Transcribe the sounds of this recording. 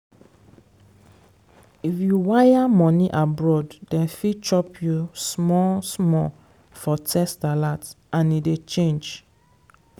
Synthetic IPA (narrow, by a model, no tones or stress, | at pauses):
ifjuwajamɔ̃niʔabɹɔddɛ̃nfit͡ʃɔpʰjusmɔsmɔ | fɔtʰɛstalat | ãnidet͡ʃẽnd͡ʒ